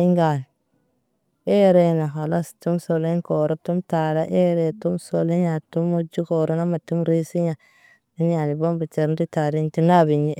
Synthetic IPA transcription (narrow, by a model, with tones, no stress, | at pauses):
i˦ŋɡa˨n˨ | e˦ɾe˦˨na˨ɦa˨la˦stu˦mso˨le˦nko˨ɾo˦tu˦mta˨ɾa˦ʔe˦ɾe˨tu˦mso˨le˦ɲa˨tu˦mu˦d͡ʒu˦ko˨ɾo˦na˦ma˨tu˦mɾi˦si˦ɲa˨ | i˦n˦ja˨ni˨bo˦mbi˨t͡ʃe˨ɾdi˦ta˨ɾi˦ti˦na˦bi˨ɲi˦